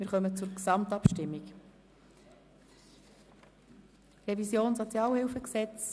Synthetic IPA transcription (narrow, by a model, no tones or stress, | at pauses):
mɪɾχœmət͡sʊɾksɑmtɑpʃtɪmːik | rɛvisjoːnsot͡sjɑːlhɪlfəksɛt͡s